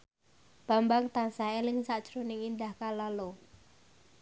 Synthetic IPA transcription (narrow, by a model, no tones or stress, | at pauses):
b̥a̤mbaŋt̪ansaelɪŋsaʔt͡ʃɾunɪŋind̪ahkalalo